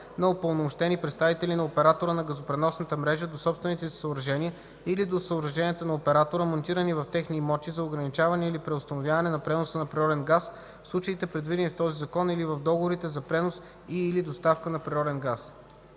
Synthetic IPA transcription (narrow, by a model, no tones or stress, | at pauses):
nɐʊpolˠnomʊʃt̪ɛnipɾɛt̪st̪avit̪ɛlinɐopɛɾat̪oɾənɐɡəzopɾɛnɔsnət̪əmɾɛʒəd̪osɔpst̪vɛnit̪ɛssəʊbɾɐʒɛnʲiə | ilid̪osəʊbɾɐʒɛniət̪ənɐopɛɾat̪oɾəmont̪iɾənivɐft̪ɛxnimɔt̪izɐʊɡɾɐnit͡ʃavɐnɛilipɾɛʊst̪ɐnovʲjavɐnɛnɐpɾɛnosənɐpɾiɾɔd̪ɛnɡas | fslˠut͡ʃəit̪ɛpɾɛd̪vid̪ɛnift̪ɔzizɐkɔnilivɐvd̪ɔɡovoɾit̪ɛzɐpɾɛnos | iːlid̪ost̪afkənɐpɾiɾɔd̪ɛnɡas